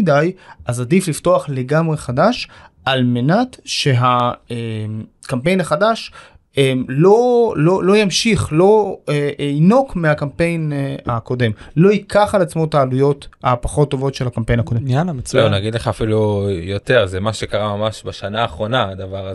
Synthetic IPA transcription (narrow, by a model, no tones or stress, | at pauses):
idajʔazadiflifto̞aχle̞ɡamʁe̞χadaʃʔalme̞natʃe̞ɦaemkampe̞jnhaχadaʃ | emlo̞lolo̞jamʃiχlo̞eino̞kmeakampe̞jnako̞de̞mlo̞ikaχalat͡smo̞taːlujo̞tapaχo̞t̪ːo̞vo̞tʃe̞lhakampe̞jnhakodenmant͡slewnaɡid̪leχaːfilujot̪e̞ʁzemaʃekaʁamamaʃbaʃanaːχʁo̞naad̪avaʁa